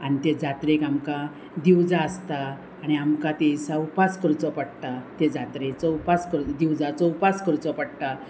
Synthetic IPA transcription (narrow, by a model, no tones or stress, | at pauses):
añit̪ed͡zat̪ɾekamka | d̪iwd͡zaəst̪aː | ɽ̃iamkat̪esawpaskəɾut͡sɔpəɽt̪at̪ed͡zat̪ɾet͡səwpaskəɾd̪iwd͡zat͡səwpaskəɾt͡sɔpaɽʈ̪a